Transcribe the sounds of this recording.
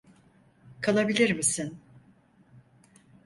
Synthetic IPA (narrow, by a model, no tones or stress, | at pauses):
kʰalˠabilʲiɾmisin